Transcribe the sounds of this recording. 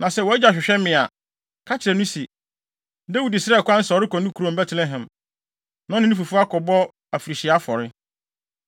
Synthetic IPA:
nã˨sɛ˦wɔ˨˦ɛ˦d͡ʑa˨ɕᶣɪ˨ɕᶣɛ˦mɪ̃˨a˨ | kʰa˦t͡ɕʰɪ˨ɾɛ˨nũ˦si˨ | da˦wu˨dɪ˨sɪ˦ɛ˦˨kʰʷʊ˦ã˦n̩˦sɾɪ˦kɔ̃˨nʊ̃˦kʰu˨ɾɔ̃˨bɛ˦tʰlɛ˦ɦɛ̃˨m | nɔ̃˦nɪ̃˦nĩ˦fu˨fu˦a˦kʰɔ˨bɔ˦ | a˨fi˨ɾi˨ɕɪ˨a˦fɔ˨ɾɪ˦

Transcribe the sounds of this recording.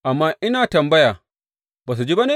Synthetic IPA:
ʔa˨mːaː˦ʔɪ˦naː˨tɐ˨mbɐ˦jaː˨ | baː˨s̬u˨d͡ʒiː˦ba˦neː˦

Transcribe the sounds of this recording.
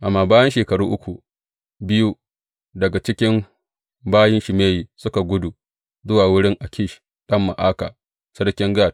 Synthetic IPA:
ʔa˨mːaː˨baː˦jɐ˦nʃeː˨kɐ˨ɽuː˦ʔʊ˦kʷu˨ | bɪ˦ju˦ | dɐ˨ɡa˨t͡ʃɪ˦kʲɪ˦m | baː˦jɪ˦nʃɪ˨meː˦jiː˨sʊ˦ka˨ɡʷʊ˦du˨ | zʊ˦waː˨wʊ˦ɽɪ˦ŋʔa˨kʲɪ˦˨ʃ | ɗɐ˦mːa̰˨ʔaː˦ka̰ː˨ | sɐ˦ɽkʲɪ˦ŋɡaː˦˨t̚

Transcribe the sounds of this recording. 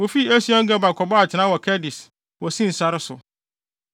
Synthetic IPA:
wo˨fi˦e˦si˦ɔ̃˦ŋ̩˦ɡɛ˦ba˨kʰɔ˨bɔ˦a˨t͡ɕʰɪ˨nã˦wɔ˨kʰɛ˦dɪ˨s | wɔ˨sĩ˦n̩˨sa˦ɾɪ˦sʊ̰˨

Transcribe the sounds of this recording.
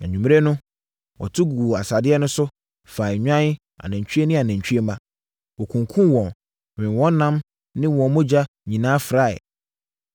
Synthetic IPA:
nã˨ɲᶣũ˨m˦e˦nʊ̃˦ | wʔɔ̰˨tʰʊ˦ɡu˨a˨sa˨dɪ˦ɛ˦nʊ̃˦sʊ˦ | fa˨ɲᶣ˦ã˦ | a̰˨nã˨ɲ˨t͡ɕʰᶣy˦e˦nɪ̃˦a˨næ̃˨ɲ̩˨t͡ɕʰᶣe˦mã˦˨ | wɔ˨kʰũ˨ŋkʰũ˦wɔ̃˨n | wɪ̃˨wɔ̃˦n˦nã˦m | nɪ̃˦˨wɔ̃˨˦mʊ̃˦d͡ʑa˦ | ɲĩ˨nãː˦fɾa˦˨ɪ̰˨

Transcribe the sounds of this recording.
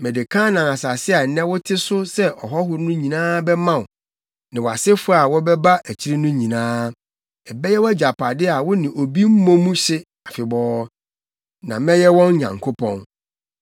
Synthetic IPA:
mɛ̃˨dɪ˨kʰã˦nã˨a˨sa˨sɪ˦a˨nɛ̃˦wʊ˦tʰɪ˦sʊ˦sɛ˦ʔɔ˨ɦɔ˦ɦʊ˦ɾnʊ̃˦ɲĩ˨nãː˦bɛ˦mã˦ʊ˨ | nɪ̃˨wa˨sɪ˦fʊ˦˨a˨wɔ˦bɛ˦ba˦ʔæ˨t͡ɕʰi˦ɾi˦nʊ̃˦ɲĩ˨nãː˦ | ɛ˨bɛ˦jɛ˦wæ˦d͡ʑa˨pʰa˨dɪ˦a˨wʊ˦nɪ̃˨ʔo˨bi˦m̩˦mɔ̃˦mũ˦ɕɪ˦ | a˨fɪ˨bɔː˦ | nã˨mɛ̃˦jɛ˦wɔ̃˦n˦ɲã̰˨ŋkʰo˦pʰɔ̃˦n

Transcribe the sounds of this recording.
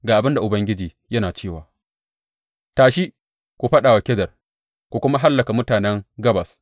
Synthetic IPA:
ɡaː˨ʔa˨bɪ˦nda˨ʔʊ˨bɐ˦ŋɡʲɪ˦d͡ʒiː˨ | jɐ˦naː˨t͡ʃeː˦˨waː˨ | taː˨ʃi˦ | kʷu˨ɸɐ˦ɗaː˨wa˨kʲɛ˦zɐ˨r | kʷu˨kʷʊ˦ma˦ɦa˦lːɐ˨ka˨mʊ˦taː˨nɛ˦ŋɡɐ˦bɐ˨s

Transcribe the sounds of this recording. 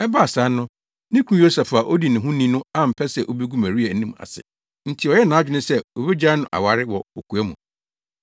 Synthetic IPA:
ɛ˦ba˦˨sa˨˦nʊ̃˦ | nɪ̃˦kʰũ˦jo˦sɛ˨fa˨ʔo˦di˨nɪ̃˨ɦũ˦nĩ˦nʊ̃˦a˦˨m̩˨pʰɛ˦sɛ˦ʔo˦bi˦ɡu˦mæ̃˨ɾi˦æ˨˦nĩ˦ma̰˨sɪ̰˨ | n̩˦tʰɪ˨ɔ˨jɛ˦nãː˨˦d͡ʑᶣɪ˦nʊ̃˦sɛ˦o˨be˦d͡ʑa˦nʊ̃˨ʔa̰˨wa˨ɾɪ˦wɔ˨o˨kʰu˨æ˦mṵ̃˨

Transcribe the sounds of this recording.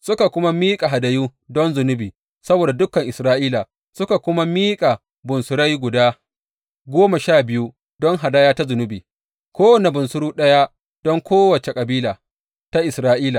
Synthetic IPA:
sʊ˦ka˨kʷʊ˦ma˦miː˦kʼa˨ɦa˨dɐ˨juː˦dɔ˦nzʊ˨nʊ˦biː˨ | sɐ˦boː˨da˨dʊ˦kːɐ˨ŋʔɪ˨sɾaː˦ʔiː˦la˨ | sʊ˦ka˨kʷʊ˦ma˦miː˦kʼa˨ | bʊ˨nsʊ˨ɾa˦jɡʷʊ˨daː˦ | ɡʷoː˦ma˨ʃaː˦˨bɪ˦ju˦ | dɔ˦ŋɦa˨daː˦jaː˦ta˦zʊ˨nʊ˦biː˨ | kʷoː˦wɐ˨ne˨bʊ˨nsʊ˦ɽuː˦ɗɐ˦ja˦ | d̥ɔ˦ŋkʷoː˦wɐ˨t͡ʃe˨kʼɐ˨biː˦laː˨ | ta˦ʔɪ˨sɾaː˦ʔiː˦laː˨

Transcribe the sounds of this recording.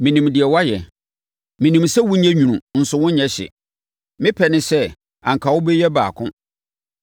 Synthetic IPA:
mĩ˨nĩ˨mdɪ˨ɛ˨wa˦jɛ˨ | mĩ˨nĩ˨msɛ˦wu˦ɲɛ̃˦ɲᶣũ˨ũ˨n̩˨sʊ˦wʊ̃˦ɲɛ̃˦ɕɪ̰˨ | mɪ̃˦pʰɛ˨nɪ̃˦sɛ˦ | ã̰˨ŋ˨kʰa˨wʊ˦be˦jɛ˦baː˨kʰʊ̃˦

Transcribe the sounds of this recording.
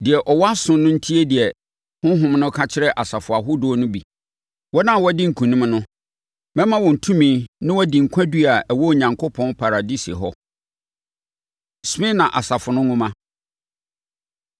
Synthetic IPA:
dɪ˨ɛ˨ʔɔ˨wɔ˦a˦sʊ̃˦nːʊ̃˦n̩˦tʰi˦e˦dɪ˨ɛ˨ | hʊ̃˦ɦʊ̃˨mnʊ̃˦kʰa˦t͡ɕʰɪ˦ɾɛ˦ʔa˨sa˨fʊ˨a˨ɦʊ˦dʊ˦nʊ̃˦bi˨ | wɔ˦nã˦˨wɔ˦dɪ˦ŋ̩˨kʰũ˨nĩ˦mnʊ̃˦ | mɛ̃˦mã˦wɔ̃˨n̩˨tʰũ˦mĩː˦nɪ̃˦wɔ˦dĩ˨ŋ̩˨kʷʰã˦di˦a˨ɛ˨wɔ˦˨ɲã˨ŋkʰo˦pʰɔ̃˦npʰa˨ɾa˨di˦sḛ˨ɦɔ˦ | sɪ̃˦nã˨ʔa˨sa˨fʊ˨nʊ̃˦ŋʊ̃˦mã˦

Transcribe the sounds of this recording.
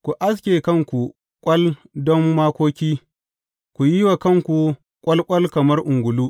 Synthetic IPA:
kʷu˨ʔa˦s̬kʲeː˨kɐ˦˨ŋkʷu˨ | kʷʼɐ˦ldɔ˦mːaː˦kʷoː˦kʲiː˦ | kʷu˨ji˦wa˨kɐ˦˨ŋkʷu˨ | kʷʼɐ˦lkʷʼɐ˦lkɐ˨mɐ˦rʔʊ˨ŋɡʷʊ˨luː˦

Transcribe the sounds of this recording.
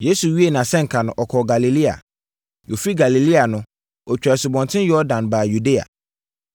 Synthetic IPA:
je˦su˨ɥi˦e˨nã˨sɛ̃˦ŋ̩˨kʰa˨nʊ̃˨ʔɔ˨kʰɔ˨ɡa˨li˨li˦a̰˨ | jo˨fi˦ɡa˨li˨li˦a˨nʊ̃˦ | ɔ˨t͡ɕᶣɾɛ˨sʊ˨bɔ̃˨ntʰɪ̃˦njɔ˦dã˨nbaː˨ju˨de˦a̰˨

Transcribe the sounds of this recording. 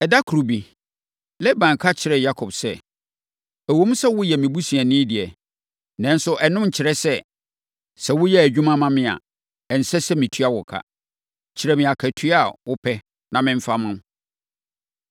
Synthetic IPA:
ɛ˨da˦kʰu˨ɾu˨bi˨ | lɛ˦bã˨ŋ˨kʰa˦t͡ɕʰɪ˨ɾɛ˨ja˦kʰɔ˨bsɛ˦ | æ˨wo˦mũ˦sɛ˦wʊ˦jɛ˨mɪ̃˨bu˦si˨ɛ˨nɪ̃ː˦dɪ˨ɛ˨ | nɛ̃˦n̩˦sʊ˦ʔɛ˨nʊ̃˦m̩˨t͡ɕʰɪ˨ɾɛ˦sɛ˦ | sɛ˨wʊ˦jɛ˦æ˨d͡ʑᶣũ˦mã˦mã˦mɪ̃˨a̰˨ | ɛ˨n̩˨sɛ˦sɛ˦mĩ˨tʰɥa˦wʊ˨kʰa̰˦ | t͡ɕʰɪ˨ɾɛ˨mɪ̃˨a˨kʰæ˨tʰɥa˦˨wʊ˦pʰɛ˦ | nã˨mɪ̃˦ɱ̩˦fa˦mʊ̃˦m˦

